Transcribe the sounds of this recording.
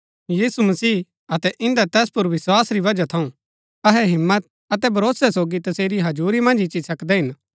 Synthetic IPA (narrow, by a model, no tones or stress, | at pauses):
jiːsumɐsiː | ɐt̪ɛʔɪ̃nd̪at̪ɛːspʊɾʋɪswaːsɾiʋɐd͡ʒat̪ʰɐũ | ɐɦɛɦɪmːət̪̚ | ɐt̪ɛbʱɐɾoːsɛsoːɡit̪ɐseːɾiɦɐd͡ʒuːɾimɐ̃nd͡ʒɪt͡ʃisɐkd̪ɛɦɪn